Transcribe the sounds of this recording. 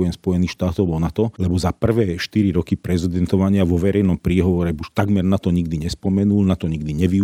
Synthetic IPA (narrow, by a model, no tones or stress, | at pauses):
jɛnspɔjɛniːxʃt̪aːt̪ɔʊbɔnat̪ɔlɛbɔzapr̩ʋɛːʃtt̪iɾiɾɔkipɾɛzɛd̪ɛnt̪ɔʋaɲɪaʋɔʋɛɾɛjnɔmpɾiːɦɔʋɔɾɛbuʃt̪aɡmɛɾnat̪ɔɲiɡd̪iɲɛspɔmɛnulnat̪ɔɲiɡd̪iɲɛʋi